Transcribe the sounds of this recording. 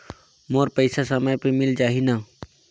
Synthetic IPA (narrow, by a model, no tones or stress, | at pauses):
moːɾpəɪsasəməjpemɪld͡ʒaːɦinaː